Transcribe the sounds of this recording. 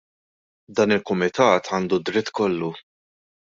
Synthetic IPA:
d̪ɐːnɪlkʊmɪt̪ɐːt̪ʰɐːnd̪ud̪ɾɪt̪ːkɔlːu

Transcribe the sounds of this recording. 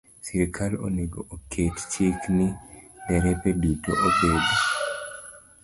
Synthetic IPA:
siɾikʰalo̰neɡoʔokʰett͡ʃiknidɛɾɛpɛdito̰ʔobeɡo

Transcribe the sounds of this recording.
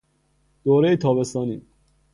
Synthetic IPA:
d̪̥oːɾejet̪ʰɒːbe̞st̪ɒːniː

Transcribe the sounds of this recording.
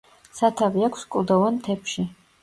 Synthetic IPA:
sat̪ʰavijakʷʰskʼld̪ɐwant̪ʰɛpʰʃi

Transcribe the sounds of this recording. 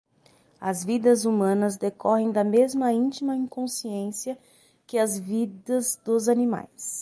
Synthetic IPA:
ɐzvid̪ɐzumɐ̃nɐzd̪ekɔɦẽj̃d̪ɐmezmɐĩt͡ʃimɐĩŋkõsiẽsiɐ | kɪɐzvid̪ɐzd̪ʊzɐnima̰js

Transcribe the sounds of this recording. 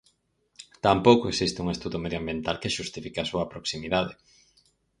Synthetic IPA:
t̪ampowkoeksist̪ɪuŋest̪uðomeðjoambjent̪alkeʃust̪ifikasuɐpɾoksimiðaðe

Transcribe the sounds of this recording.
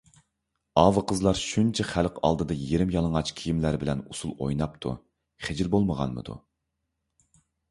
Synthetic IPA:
ɑːvɨqʰəzlˠɑɾʃunt͡ʃʰɛχælqʰɑ̰lˠd̪ɨd̪ɑjeɾɪmjɑlˠəŋɑt͡ʃkʲʰijimlæɾbɪlɛnusulˠo̰jnɑp̚t̪ʰṵ | χed͡ʒilbolˠməʁɑ̰nmɨ̰d̪ṵ

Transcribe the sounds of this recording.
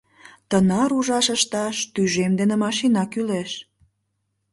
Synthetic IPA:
t̪ənɑɾuʒɑʃəʃt̪ɑʃt̪yʒemd̪enemɑʃinɑkyleʃ

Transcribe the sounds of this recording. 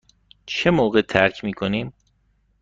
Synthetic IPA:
t͡ʃʰe̞moːɣet̪ʰæɾcʰmiːkʰoniːm

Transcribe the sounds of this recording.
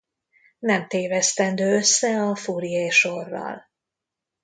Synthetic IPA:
nɛmt̪eːvɛst̪ɛnd̪øːøsːɛɒfuːɾijejʃorːɒ̰l

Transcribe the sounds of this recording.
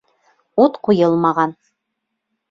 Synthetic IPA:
ut̪qujɤlˠmɑʁɑn

